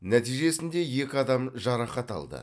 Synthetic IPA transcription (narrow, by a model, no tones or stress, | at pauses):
næt̪ijʒe̞sɪnd̪e̞je̞kʲɪɑd̪ɑmʒɑɾɑχɑt̪ɑ̰lˠd̪ə̰